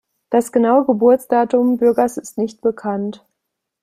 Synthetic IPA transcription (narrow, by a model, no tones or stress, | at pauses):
d̥asɡ̥ənaʊəɡəbʊɐt͡sd̥aːtʊmbʏɐɡɐsɪstnɪçt̚b̥əkʰant